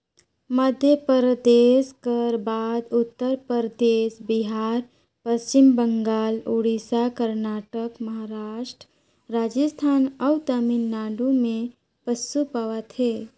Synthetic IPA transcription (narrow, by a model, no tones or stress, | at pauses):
məd̪ʱjəpəɾəd̪eːskəɾbaːd̪ʊt̪ːəɾpəɾəd̪eːsbɪɦaːɾ | pəst͡ʃɪmbəŋɡaːluːɽisakəɾnaːʈəkməɦaɾaːʃʈɾ | ɾaːd͡ʒəst̪ʰaːnəwt̪aminːaːɖumẽ | pəsːupaːʋat̪ʰe